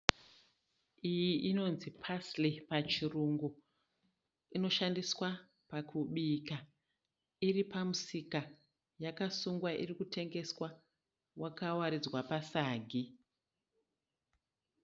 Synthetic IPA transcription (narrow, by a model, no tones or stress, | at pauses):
ijiʔino̞nzipʰaslipat͡ʃiruŋɡu | ino̞ʃandiswa | pakʰuɓiːka | iripamusika | jakasuŋɡwaʔḭrikute̞ŋɡe̞swa | wʔakawaɾid͡zwapasaːɡʱi